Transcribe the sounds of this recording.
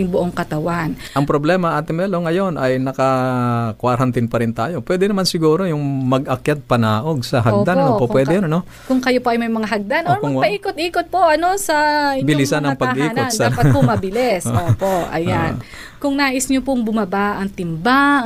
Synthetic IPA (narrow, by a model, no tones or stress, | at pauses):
ɪŋbʊʔoŋkɐt̪ɐwan | ʔɐŋpɾoblɛːmɐʔat̪ɪmɛloŋɐjo̞nɐjnɐkɐkwaɾɐnt̪ɪnpɐɾɪnt̪aːjo̞pwɛːd̪ɛnɐmansɪɡuːɾo̞jʊŋmɐɡɐkjat̪̚pɐnaːʔo̞ɡ̚sɐɦɐɡd̪annopopwɛːd̪ɛjonɐno̞ | kʊŋkɐjopoʔɐjmɐjmɐŋaɦɐɡ̚d̪anʔoɾɐŋpɐʔiːkot̪̚ʔiːkot̪̚po̞ʔɐno̞sɐbɪlɪsanɐŋpɐʔiːkːnk̪ondaɐpɐt̪pomɐbɪlɛsoːpoʔɐ̰jan | kʊŋnaːʔɪsɲopʊŋbʊmɐbaʔʔɐŋt̪ɪmba